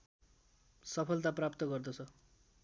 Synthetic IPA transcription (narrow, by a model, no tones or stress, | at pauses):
sʌpʰʌlt̪aprapt̪ʌɡʌrd̪ʌt͡sʰʌ